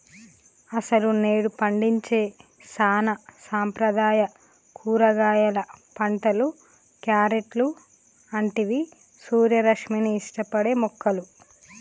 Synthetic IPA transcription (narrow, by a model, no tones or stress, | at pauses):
ɐsɐlune̞ːɽupɐɳɖiɲt͡ʃe̞ː | saːnɐsaːmpɾɐd̪aːjɐ | kʰuːɾɐɡaːjɐlɐpɐɳʈɐlu | kjaːɾeʈlu | ɐɳʈiʋi | suːɾjɐɾɐkʂminiːʂʈɐpɐɽe̞ːmɔkʰːɐlu